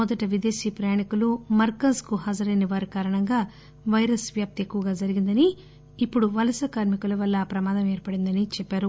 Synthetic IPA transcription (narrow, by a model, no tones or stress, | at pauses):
ɔd̪ɐʈɐʋid̪e̞ːʃiːpɾɐjaːɳikulumɐɾkɐnskuɦad͡ʒɐɾɐjniʋaːɾikaːɾɐɳɐŋɡaː | ʋɐjɾɐsʋjaːp̚t̪ekːuʋɐɡaːd͡ʒɐɾiɡind̪ɐniː | pːuɽuʋɐlɐsɐkaːɾmikulɐʋɐlːɐpɾɐmaːd̪ɐmeːɾpɐɽind̪ɐnit͡ʃɛpːaːɾu